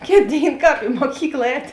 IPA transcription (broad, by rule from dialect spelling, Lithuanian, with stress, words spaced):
ˈkʲeːt ˈdʲeːɪn ˈkɑːp ɪ muɔˈkʲiːklˠɐ ˈɛːtʲ